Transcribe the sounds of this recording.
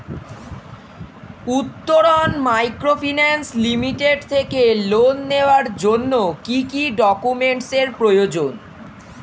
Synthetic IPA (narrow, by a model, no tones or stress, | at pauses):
ut̪ːoɾonmajkɾofʰinanslimiʈeɖt̪ʰekelonːeoaɾd͡ʑonːokikiɖɔkumeɳʈseɾpɾojod͡ʑon